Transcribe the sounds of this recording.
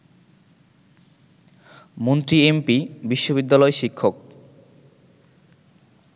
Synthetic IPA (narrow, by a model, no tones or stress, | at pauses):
mont̪ɾiempibiʃːobid̪ːalɔeʃikʰːok̚